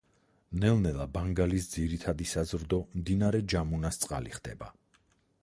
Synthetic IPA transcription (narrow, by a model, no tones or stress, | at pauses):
nɛlnɛlˠabaŋɡalisd̪ziɾit̪ʰad̪isazɾd̪ɔmd̪inaɾɛd͡ʒamunast̪sʼqʼa̰liχd̪̥ɛ̰ba̰